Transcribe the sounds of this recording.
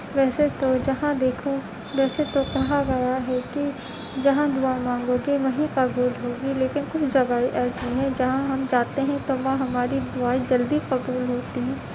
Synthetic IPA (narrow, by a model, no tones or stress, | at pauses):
ʋɛːset̪od͡ʒɐɦãd̪eːkʰo | ʋɛːset̪okɐɦaɡɐjaɦɛki | d͡ʒɐɦãd̪ʊaːimãːŋɡõɡiʋɐɦĩqɐbuːlɦoːɡileːkɪnkʊt͡ʃʰd͡ʒɐbaːiʔɛːɾziɦɛ̃d͡ʒɐɦãɦɐmd͡ʒaːt̪eɦɛ̃t̪oʋɐ̃ɦɐmaːɾid̪ʊaːid͡ʒɐld̪iqɐbuːlɦoːt̪iɦɛ̃ː